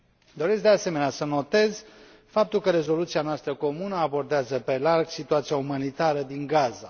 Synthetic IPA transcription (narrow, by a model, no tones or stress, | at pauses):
d̪o̞ɾeskd̪ease̞me̞neasəno̞t̪e̞zʲ | fap̚t̪ulkəɾe̞zo̞lut̪sianoast̪ɾəko̞munəabo̞rd̪eazəpe̞larɡsit̪uat̪sijaumanit̪aɾəd̪iŋɡaza